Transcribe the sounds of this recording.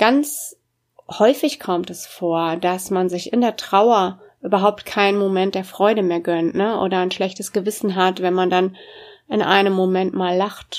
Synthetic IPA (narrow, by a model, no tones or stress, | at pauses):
ɡ̥ant͡s | hɔʏfɪçkʰɔmtɛsfoːɐdasmanzɪçɪndeːɐtʁ̥aʊɐ | ʔyːbɐɦaʊp̚tkʰaɪnnmomɛnt̚d̥eːɐfʁ̥ɔʏɾəmeːɐɡœntnəʔo̰ːɾɐaɪnʃlɛçtəsɡ̥əvɪsn̩ɦatv̥ɛnmandanɪnʔa̰ɪnəmːomɛntmaːlːaχt